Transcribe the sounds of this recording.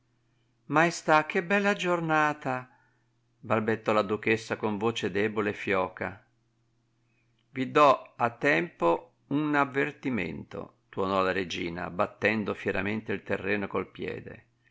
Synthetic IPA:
majst̪ak̟ːebɛlːad͡ʒornaːt̪a | balbet̪ːɔlad̪uk̟esːakoɱvoːt͡ʃed̪ɛːboleːfːjɔːka | vid̪ɔat̪ːɛmpo | unavːert̪imḛnt̪o̰t̪uɔnɔlaɾed͡ʒiːna̰bat̪ːɛnd̪ofjɛɾa̰ment̪eilt̪erːɛːnokolpjɛ̰ːd̪ḛ

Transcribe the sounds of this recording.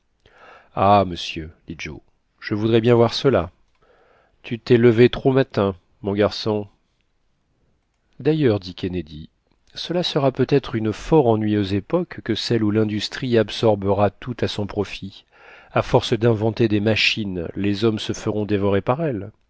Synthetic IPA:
aməsjød̪̥id͡ʒo̰ | ʒ̥əvud̪ʁɛbjɛ̃vwaʁsəla | t̪ʰyt̪ɛləvet̪χomat̪ɛ̃ | mɔ̃ɡaʁsɔ̃ | d̪ajœʁd̪ikʲened̪i | səlasəʁapøt̪ɛt̪χynfɔʁɑ̃nɥijøzepɔkːəsɛlulɛ̃d̪yst̪χiabsɔʁbəʁat̪ut̪asɔ̃pχɔfi | afɔʁsd̪ɛ̃vɑ̃t̪ed̪emaʃinlezɔmsəfəʁɔ̃d̪evɔʁepaʁɛl

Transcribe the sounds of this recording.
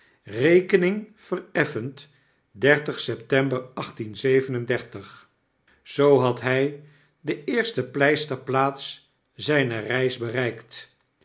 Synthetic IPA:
rejkənɪŋv̥ərɛfənt | dɛɹtəχsɛptɛmbəɹɑχtinzejvənəndɛɹtəχ | z̥owɦɑtɦɛj | dəɪːɹstəplɛjstəɹplaːts | zɛjnərɛjzbərɛjkt

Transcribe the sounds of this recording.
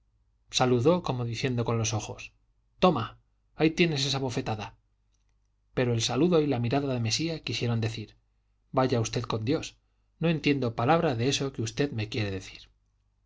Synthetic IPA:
saluðo̞ko̞mo̞ðiθje̞nd̪o̞ko̞nlo̞so̞xo̞s | t̪o̞maː | it̪je̞ne̞s̬e̞saβo̞fe̞t̪aða | pe̞ɾoe̞lsaluðo̞ilamiɾaðaðe̞me̞siakisje̞ɾo̞nd̪e̞θiɾ | baʝaust̪e̞ðko̞nd̪jo̞s | no̞e̞nt̪je̞nd̪o̞palaβɾaðe̞e̞so̞keust̪e̞ðme̞kje̞ɾe̞ðe̞θi̥ɾ

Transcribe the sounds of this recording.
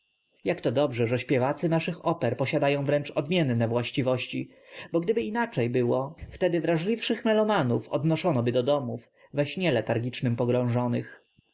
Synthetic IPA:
jakt̪ɔd̪ɔbʐɛʐɛɕpʲjɛvat̪sɘnaʂɘxɔpɛɾpɔɕad̪ajɔ̃w̃vɾɛnt͡ʂɔd̪mʲjɛnːɛvwaɕt͡ɕivɔɕt͡ɕi | bɔɡd̪ɘbɘinat͡ʂɛjbɘwɔft̪ɛd̪ɘvɾaʐlʲifʂɘxmɛlɔmanufɔ̰d̪nɔʂɔnɔbɘd̪ɔd̪ɔmuf | vɛɕɲɛlɛt̪aɾɡʲit͡ʂnɘmpɔɡɾɔ̃w̃ʐɔnɘx

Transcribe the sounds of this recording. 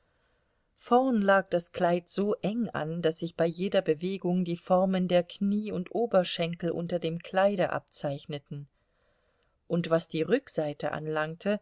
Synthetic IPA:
fɔɐnlaːk̚d̥askl̥aɪtz̥oːʔɛŋa̰ndasz̥ɪçb̥aɪjeːdɐbəveːɡʊŋdiːfɔɐməndeːɐkʰniːʊntʔoːbɐʃɛŋkl̩ʔʊ̰ntɐdeːmkʰl̥aɪɾəʔa̰p̚t͡saɪçnətn̩ | ʔʊntv̥asd̥iːʁʏkz̥aɪtəʔa̰nlaŋtʰə

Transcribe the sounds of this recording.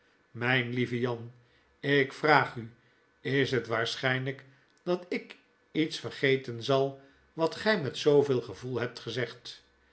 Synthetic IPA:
mɛjnlivəjɑn | ɪkfraːχy | ɪsɦətʋaːɹsχɛjnlək | d̥ɑtɪk | itsfərχejtənzɑlˠ | ʋɑtχɛjmɛtsowvɪːlˠχəvulˠɦɛp̚tχəzɛχt

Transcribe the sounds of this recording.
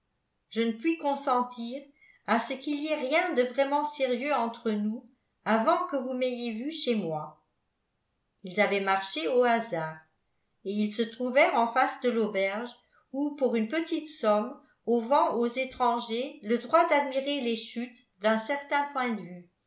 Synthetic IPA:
ʒ̥ənəpɥikɔ̃sɑ̃t̪ʰiːʁ | asəkiliɛʁjɛ̃d̪əvʁɛmɑ̃seʁjøɑ̃t̪χənu | avɑ̃kəvumejevyʃemwa | ilzavɛmaʁʃeoazaːʁ | eilsət̪χuvɛʁɑ̃fasd̪əlobɛʁʒ | upuʁynpət̪it̪sɔm | ovɑ̃ʔozet̪χɑ̃ʒeləd̪ʁwad̪ad̪miʁeleʃyt̪ | d̪œ̃sɛʁt̪ɛ̃pwɛ̃d̪əvy

